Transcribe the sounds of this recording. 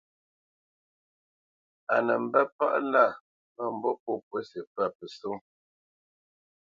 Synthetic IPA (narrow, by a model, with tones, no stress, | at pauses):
a˨nə˨m̩˨bə˦pa̰˦ʔla˦˨ | mə˦˨m̩˨bɔ˦po˦pwə˦sə˨pa˦˨pə˨so˦ŋ